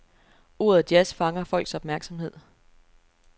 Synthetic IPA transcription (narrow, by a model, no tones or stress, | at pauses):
o̝̰ːɐð̩ˠd̥jæsfɑ̈ŋɐfɒ̽l̰ɡ̥sɒ̽b̥mæɐɡ̥sɒ̽mhe̝ð̞̰ˠ